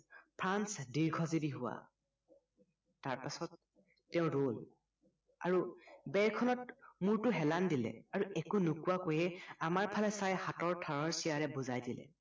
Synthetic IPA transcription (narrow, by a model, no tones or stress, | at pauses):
pʰɹansdiɹɡʰʱɔzibiɦʊwa̰ | taɹpasɔtː | ɛʊ̃ɹol | a̰ɹubɛɹkʰɔnɔt̚muɹtʊɦɛlandilɛ̰aɹuɛkunʊkuwakojɛamaɹpʰalɛsajhatɔɹtʰaɹɔɹsijaɹɛbʊzajdilɛ̰